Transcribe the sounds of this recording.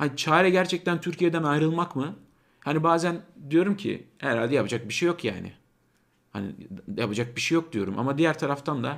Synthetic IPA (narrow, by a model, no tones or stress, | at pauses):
hanit͡ʃʰaːɾɛɟæɾt͡ʃʰɛc̚t̪ʰænt̪ʰyɾcʰijed̪ænajɾɯlˠmakmɯ | hanibaːzænd̪ijo̞ɾumcʰḭhɛɾalʲd̪ɛjapʰad͡ʒak̚biʃejo̞kja̰ːnɪ̰ | ha̰nḭjapad͡ʒak̚biʃejo̞k̚d̪ijo̞ɾumʔa̰mad̪ijæɾt̪ʰaɾaft̪ʰand̪a